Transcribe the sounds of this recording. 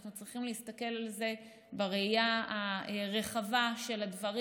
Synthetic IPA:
χnut͡sʁiχimleist̪ake̞lalze̞ | beʁeijaaeʁe̞χavaʃe̞lad̪vɐʁi

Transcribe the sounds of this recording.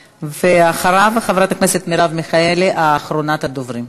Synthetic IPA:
veaχaɾavχavɾat̪akneset̪miɾavmiχaeleʔaːχɾo̞nat̪ad̪ovɾim

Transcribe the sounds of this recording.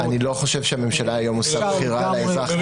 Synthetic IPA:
anilo̞χo̞ʃe̞vʃeame̞mʃalaːjo̞mosabχiʁalaezaχ

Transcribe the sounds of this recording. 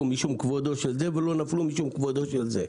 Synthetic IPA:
umiʃumkvod̪oʃelzevelo̞naflumiʃumkvod̪oʃelze

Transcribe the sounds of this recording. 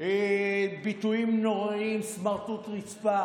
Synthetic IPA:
ebit̪uimnoʁaimsmaʁt̪ut̪ʁit͡spa

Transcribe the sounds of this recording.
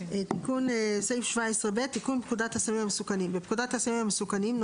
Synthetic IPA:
et̪ikunsejfʃvaesʁebet̪ːikunpkudat̪hasamimamesukanimbepkudatasamimamesukanimn

